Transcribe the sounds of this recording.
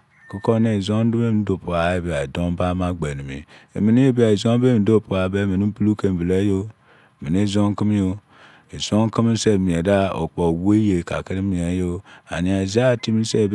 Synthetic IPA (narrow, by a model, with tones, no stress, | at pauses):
ku˦ko˦ne˨zo˦n˦du˦be˦m˨n̩˦do˨po˨a˨e˨˦bi˨a˨e˨do˦m˦ba˦ma˦ɡ͡be˨ni˨mḭ˨ḛ˨mi˨ni˦e˦bi˦a˨i˨zo˦be˦mi˨˦do˦pu˨a˨be˦mi˨ni˦pu˦lu˦ke˨m˨vi˨le˦jo˦˨ | mi˨ne˦zo˦ŋ˦ki˦m˦jo˦ | e˨zo˦ŋ˦ki˦mi˦n̩˦se˦˨mi˨e˨da˦o̰˨k͡po˨we˦je˨ka̰˨ki˦ɾi˦mi˨e˨˦jo˦a̰˨ni˨a˨za˦˨ti˦mi˦n̩˦se˦˨b